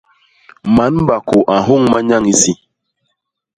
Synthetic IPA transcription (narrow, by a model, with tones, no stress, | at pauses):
ma˨˦n˦ba˨kʊ˨ʔa˨ɦʊ˦ŋ˦ma˦ɲa˦ŋi˦si˦